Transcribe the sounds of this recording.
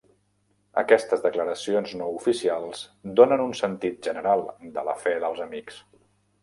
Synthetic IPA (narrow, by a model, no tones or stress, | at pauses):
ə̰kɛst̪əzðəkləɾəsionznoufisialˠzd̪onənunsənt̪it̪̚ʒənəɾalˠd̪ələ̰fɛðəlˠzəmiks